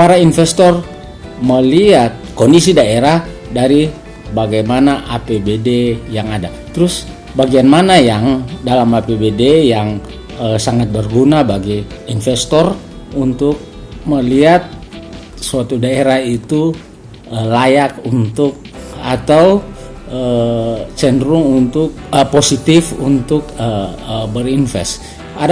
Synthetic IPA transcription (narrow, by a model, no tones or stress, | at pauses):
paɾainfɛst̪ɔr | məliat̪̚kɔndisidaeɾah | daɾi | baɡajmanaʔapebedejaŋada | t̪ɾʊs | baɡianmanajaŋdalamapebedejaŋ | əsaŋat̪̚bərɡunabaɡiː | nfɛst̪ɔr | unt̪ʊk̚ | məliat̪̚ | suat̪udaeɾahit̪u | əlajakunt̪ʊk̚at̪aw | ət͡ʃɛndɾʊŋunt̪ʊk̚əposit̪ɪfunt̪ʊkəbərinfɛ̰s | a